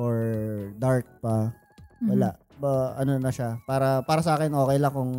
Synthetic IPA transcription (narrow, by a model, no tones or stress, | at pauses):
ʔoɹd̪aɹk̚pɐ | wɐlaʔ | bɐɐnonɐʃapaːɾɐpaːɾɐsɐʔaːkɛnʔo̞ːkɛjlɐŋkʊŋ